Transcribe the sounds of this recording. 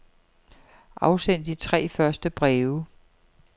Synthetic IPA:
ʔɑ̈ʊsen̰d̥it͡sʰʁɛ̰ːfɶɐsd̥əb̥ʁɛːʊə

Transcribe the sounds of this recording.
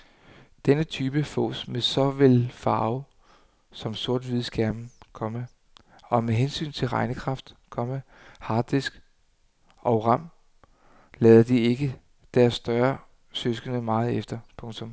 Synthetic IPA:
d̥enət͡sʰyːb̥əfɔ̰ːsmesɒ̽ʋelfɑ̈ːʊ | sɒ̽mso̝ɐd̥ʋiðˠsɡ̥æɐm̩kʰɒ̽mə | ɒ̽meɦensy̰ːnt͡sʰe̝lʁɑ̈ɪnəkʰʁɑ̈fd̥kʰɒ̽mə | hɑ̈ːd̥isɡ̥ | ʔɒʊʁɑ̈m̰ | lɛːðˠɐd̥ie̝ɡ̥ə | d̥æɐsːd̥ɶɐ | søsɡ̥ənəmɑ̈ːð̞̩ˠefd̥ɐpʰɔ̽ŋt͡sʰɔ̽m

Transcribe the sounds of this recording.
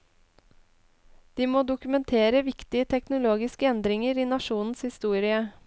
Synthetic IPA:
d̪̥iːmoːd̪ʊkʉmɛnt̪ʰeːɾəʋɪkt̪ɪət̪ʰɛknʊloːɡɪskəɛnd̪ɾɪŋəɾiːnɑʃuːnn̩shɪst̪uːɾɪə

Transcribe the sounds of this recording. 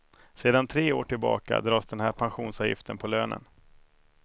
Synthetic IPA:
seːd̪ant̪ʰɾeːoːʈʰɪlbɑ̰ːka̰d̪ɾɑːsd̪ɛnhæːɾpʰanɧuːnsɑːvjɪ̰ft̪ʰənpʰɔløːnʔə̰n

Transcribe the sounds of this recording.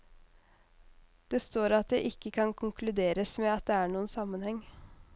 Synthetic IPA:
d̪̥eːst̪oːɾɑt̪̚d̪ɛɪʔɪkːəkʰɑnkʰʊŋkʰlʉd̪eːɾəsmɛɑt̪̚d̪ɛæːɳuːənsɑmːənhɛŋ

